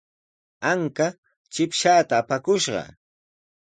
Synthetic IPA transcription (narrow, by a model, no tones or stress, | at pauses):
aŋka | t͡ʃɪpʃaːt̪aːpakʊʃɢɑ̰